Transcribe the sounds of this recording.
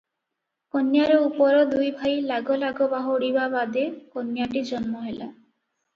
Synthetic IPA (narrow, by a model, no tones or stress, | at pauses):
konjaɾɔupɔɾɔd̪ujbʱajlaɡɔlaɡɔbaɦoɽibabad̪ekonjaʈid͡ʒɔnmɔɦela̰